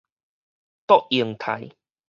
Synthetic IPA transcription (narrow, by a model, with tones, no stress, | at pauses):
t̪ɔ˦˨k̚i˨˩əŋt̪ʰa̰˨j